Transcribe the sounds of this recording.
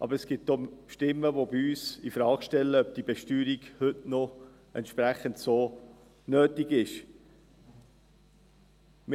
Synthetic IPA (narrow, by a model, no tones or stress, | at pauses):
ʔɑ̰bəɾəsɡ̥ɪt̚dɔmʃtɪmːəʋobiyːsifɾɑːkʃtɛlːəœb̚d̥ibɛʃtyːɾiɡhʏtno | ɛ̰nt̪ʃpɾæχəntsoː | nøːtɪɡɪʃ | mɪ